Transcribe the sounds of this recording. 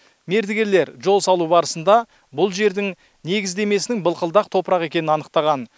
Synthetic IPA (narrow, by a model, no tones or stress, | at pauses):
me̞ɾd̪ɪɡʲe̞ɾleɾʒo̞lˠsɑlˠubɑɾəsənd̪ɑ | bʊlˠʒe̞ɾd̪ɪŋ | ne̞ɡʲɪzd̪e̞me̞sɪnɪŋbəlˠqəlˠd̪ɑq̚t̪ʰo̞pəɾɑʁe̞kʲe̞nɪnɑnəq̚t̪ɑʁɑn